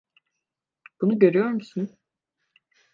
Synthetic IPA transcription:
b̥unuɟø̞ɾyjo̞ɾmusun

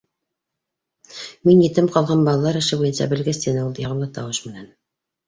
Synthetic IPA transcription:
minjɘ̆t̪ɘmqɑlˠʁɑnbɑlˠɑlˠɑɾɘ̆ʃɘbujɤnsɑ̰bɘ̆lɡɘst̪enɘulˠjɑʁɤ̆mlˠɤt̪ɑwɤʃmɘ̆næn

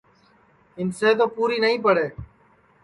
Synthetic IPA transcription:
ɪnseːt̪oːpuːɾiːnəɦĩːpəɽeː

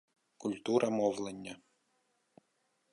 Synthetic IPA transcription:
kʊlʲt̪uɾɐmɔwlˠenʲːɐ

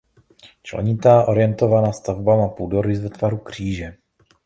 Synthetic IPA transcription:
t͡ʃlɛ̰ɲɪt̪aːʔo̞ɾɪjɛnt̪o̞vanaːst̪avbamapuːdoɾɪzvɛt̪vaɾukr̝̥iːʒɛ

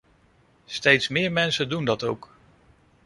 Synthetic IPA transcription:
stejtsmɪːɹmɛnsəndundɑtowk

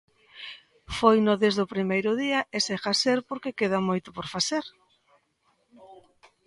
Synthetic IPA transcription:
fojnoðezðʊpɾimejɾʊðiɐʔesexaseɾpoɾkekeð̞amojt̪ʊpoɾfaθeɾ

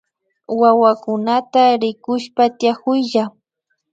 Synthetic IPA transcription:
wawakʊnat̪aɾɪkʊʃpat̪jakʊjʎa

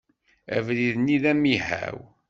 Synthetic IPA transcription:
æ̰vðiðniðæmihæ̰w

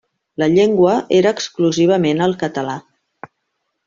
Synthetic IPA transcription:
ləʎeŋɡwəʔeɾəːkskluziβ̞əmenəlˠkət̪əla

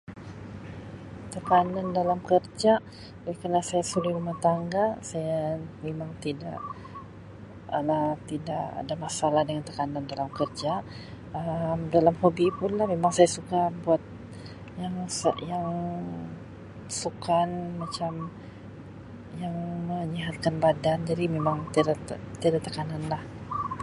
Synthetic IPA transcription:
t̪əkanandalamkərd͡ʒa | ɡɛkərnasajasuliɾumaht̪aŋɡasajamemaŋt̪ida̰ʔ | t̪idaʔa̰damasalahdəŋant̪əkanandalamkərd͡ʒa | əmdalamhobipʊnlahmemaŋsajasukabuat̪̚ | jaŋsjaŋ | sukanmat͡ʃam | jaŋməɲiɦat̪̚kanbadand͡ʒadimemaŋt̪at̪idat̪əkananlah

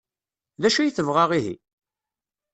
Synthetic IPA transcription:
ðæʃæjθəvʁaʁiɦḭ

